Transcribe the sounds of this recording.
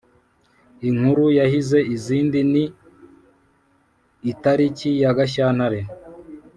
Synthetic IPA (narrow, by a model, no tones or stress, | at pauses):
iŋhuɾujahize̞iziːndini | taɾicijaɡaʃ̬aːn̥haɾe